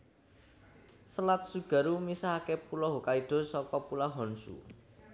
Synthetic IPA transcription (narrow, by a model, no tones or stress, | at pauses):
səlat̪̚suɡ̥a̤ɾumisaɦakepulɔɦokaiɖ̪̥ɔ̤sɔkɔpulaɦɔnsṵ